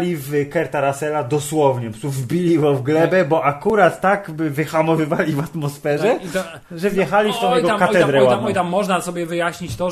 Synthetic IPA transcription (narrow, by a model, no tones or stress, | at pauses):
lʲivkɛɾt̪aɾasɛlad̪ɔswɔvɲɛpɔsuvbʲilʲivɔvɡlɛbɛbɔʔakuɾat̪ːaɡbvɘxamɔvɘvalʲivat̪mɔsfɛʐɛ | ʐɛvjɛxalʲift̪ɔ̃jɛɡɔkat̪ɛd̪ɾɛwaɔjt̪amːɔʐnasɔbʲjɛvɘjaɕɲit͡ɕt̪ɔ